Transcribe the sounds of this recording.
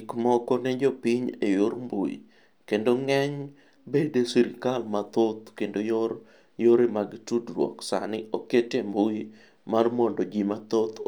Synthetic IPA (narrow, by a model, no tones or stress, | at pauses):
kmɔkɔnɛd͡ʒɔpiɲejoɾmbo̰jḭ | kendoŋɛɲ | bedesiɾkalmat̪ot̪̚kendojoɾ | joɾemaɡtudrwɔ̰ksa̰nɪoketembuj | marmɔndod͡ʒimat̪ot̪